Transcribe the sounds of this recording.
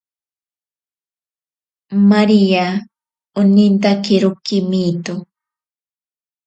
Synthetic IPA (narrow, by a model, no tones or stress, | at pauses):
maɾija | ʊnɪnt̪akɪɾʊkːɪmit̪ʊ